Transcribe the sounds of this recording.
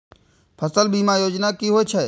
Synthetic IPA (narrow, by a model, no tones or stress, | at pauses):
pʰəsəlbiːmaːjoːd͡ʒnaːkiːɦoːet͡ʃʰeː